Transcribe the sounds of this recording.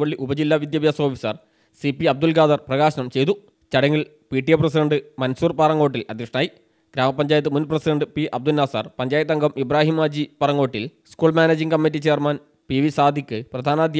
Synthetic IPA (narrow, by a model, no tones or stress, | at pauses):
ʋɐɭːiʔubɐd͡ʑilːaːʋid̪jɐbjaːsoːfi̥sɐ̰r | sipiɐb̚d̪ulɡaːd̪ɐrprɐɣaːɕɐnɐmt͡ɕe̞jt̪u | t͡ɕɐɽɐŋːiɭ | piːʈːijɐp̬rɐs̬iɖɐɳɖɨmɐnsuːrpaːrɐŋːɡo̞ːʈ̬ːilɐd̪ʱjɐkʂɐɳnaːji | ɡɾaːmɐpːɐɲd͡ʑaːjɐt̪ːɨmunprɐsiɖɐɳɖɨpiʔɐb̚d̪ulnːaːsa̰ːrpɐɲd͡ʑaːjɐt̪ːɐŋɡɐmʔibraːɦimaːd͡ʑipɐrɐŋɡo̞ːʈːilskuːɭmaːneːd͡ʑiŋkɐmːitːit͡ɕe̞ːrman | piʋisaːd̪ʱikʲːɨprɐd̪ʱaːnaːd̪j